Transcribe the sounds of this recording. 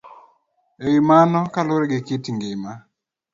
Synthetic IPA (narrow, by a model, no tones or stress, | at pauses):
ewimanɔkalʊɾɛɡɪkɪtiŋɡɪma